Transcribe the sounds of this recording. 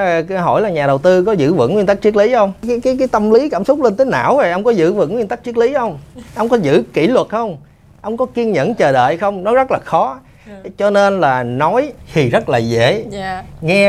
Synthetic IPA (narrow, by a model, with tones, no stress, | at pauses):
ɦɔ̰˧˩jlaː˨˩ɲaː˨˩ɗə˨˩wt̪ɨ˧kɔ˨˦zɨ̰˧˥vɨ̰˧˨ŋwi˧nt̪a˦˥k̚t͡ɕi˦˥ək̚li˨˦xə˧wŋ͡mːkaː˨˦jkaː˨˦jt̪ə˧mli˨˦kaː˧˩msʊ˦˥k͡p̚le˧nt̪əː˨˦na̰ː˧˨wvo˨˩jʔə˧wŋ͡mkɔ˨˦zɨ̰˧˥vɨ̰˧˨ŋwi˧nt̪a˦˥k̚t͡ɕi˦˥ək̚li˨˦xə˧wŋ͡mʔə˧wŋ͡mkɔ˨˦zɨ̰˧˥kḭ˧˩lwə˨˩t̚xə˧wŋ͡m | ʔə˧wŋ͡mkɔ˨˦ki˧ənɲə̰˧˥nt͡ɕəː˨˩ɗə̰ː˧˨jxə˧wŋ͡mnɔ˨˦zə˦˥t̚laː˨˩xɔ˨˦ | t͡ɕɔ˧ne˧nlaː˨˩nɔ˨˦jt̪ʰi˨˩zə˦˥t̚laː˨˩zḛ˧˩˨ŋɛ˧